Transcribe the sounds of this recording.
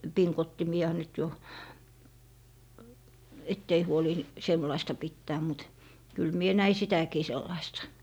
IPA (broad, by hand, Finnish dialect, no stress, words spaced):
piŋkotːimiɑ nyt jo etː ei huoli semlɑistɑ pitːæː mut kyl mie næi sitækiː selːɑistɑ